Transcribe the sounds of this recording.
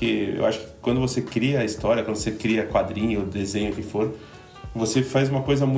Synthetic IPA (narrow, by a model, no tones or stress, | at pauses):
kɪḛwaʃʊ̥kɪ̥kwɐ̃nd̪ʊvosekɾiɐːist̪ɔɾjiɐkwɐ̃nd̪ʊosekɾiɐkwad̪ɾĩɲʊd̪ezẽɲʊkɪfoɾ | vosefajzũmɐkojzɐmũ